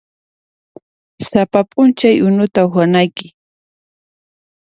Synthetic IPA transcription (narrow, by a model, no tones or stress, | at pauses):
sapapʼʊnt͡ʃajʔʊnʊt̪aʊwanajkɪ